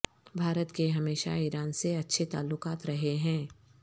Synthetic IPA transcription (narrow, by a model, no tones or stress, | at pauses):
bʱaːɾət̪keɦɐmeːʃa̰iɾaːnseɐtːʃʰet̪a̰ːlːʊkaːt̪ɾɐɦeɦɛ̃ː